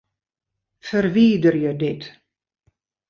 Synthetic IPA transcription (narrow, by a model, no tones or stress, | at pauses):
fərʋiːdərjədɪt